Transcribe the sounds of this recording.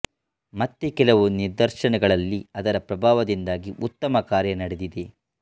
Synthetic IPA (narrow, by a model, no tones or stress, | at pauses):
mɐt̪ːekɛlɐʋuniɾd̪ɐɾʃɐnɐɡɐɭɐlːiɐd̪ɐɾɐpɾɐbʱaːʋɐd̪ind̪aːɡiʔut̪ːɐmɐkaːɾjɐnɐɽe̞d̪id̪e̞